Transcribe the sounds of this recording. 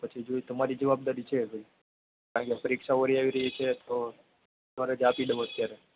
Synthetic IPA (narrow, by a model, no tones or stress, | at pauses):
pət͡ʃʰid͡ʒoit̪əmaɾiːd͡ʒəʋab̚d̪aɾiːt͡ʃʰeɡəɾi | kaɾãɳkepəɾikʂaʋəɾiaʋiɾəɦit͡ʃʰet̪o | t̪əmaɾed͡ʒapiɖəʋot̪t̪jaɾe